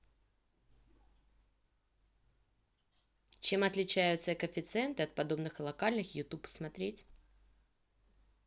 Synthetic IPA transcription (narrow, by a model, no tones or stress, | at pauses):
t͡ɕe̞mɐt̪lʲɪt͡ɕæjʊt̪səkəfʲɪt̪sɨɛnt̪ɨɐt̪̚pɐd̪o̞bnɨxɨlˠɐkalʲnɨxjʊt̪upsmɐt̪ɾʲetʲ